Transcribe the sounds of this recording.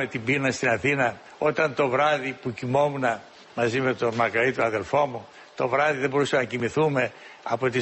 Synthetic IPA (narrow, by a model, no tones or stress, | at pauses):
et̪ibinɐst̪inɐθinɐ | o̞t̪ɐnt̪o̞vɾɐðipucimo̞munɐ | mɐzime̞t̪o̞nmɐkɐɾit̪uɐðe̞lfo̞mu | t̪o̞vɾɐðiðebo̞ɾusɐenɐcimiθume̞ɐpo̞t̪i